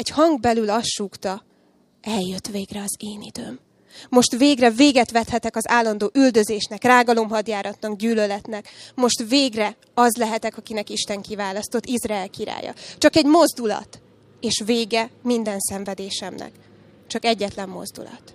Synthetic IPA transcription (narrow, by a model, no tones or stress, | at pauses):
ɛɟhɒŋɡbɛlylɒsʃukt̪ɒ | ɛljøt̪ʋeːɡrɛɒzeːnid̪ø̰ːmː | o̞ʃt̪veːɡrɛveːɡɛt̪ʋɛt̪hɛt̪ɛkɒzaːlːɒnd̪oːʔyld̪ø̞zeːʃnɛkraːɡɒlo̞mɦɒd̪jaːɾʔɒt̪nɒɡɟyːlølɛt̪nɛkmo̞ʃt̪veːɡrɛ | ɒzlɛɦɛt̪ɛkɒkinɛkiʃt̪ɛŋkivaːlɒst̪o̞t̪ːizraɛlkiɾa̰ːjɒ̰t͡ʃɒkɛɟmo̞zd̪ulɒ̰t̪ | eːʃveːɡɛmind̪ɛnsɛɱvɛd̪eːʃɛmnɛ̰k | t͡ʃɒkɛɟːɛt̪lɛmːo̞̰zd̪ṵlɒ̰t̪